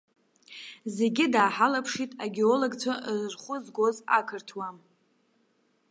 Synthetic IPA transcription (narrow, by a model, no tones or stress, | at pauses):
ze̞ɡʲɪdaːħalapʰʂitʼaɡʲeoloɡt͡sʷʰaʔzrχʷʊzɡʷo̞za̰kʰɨrtʰwam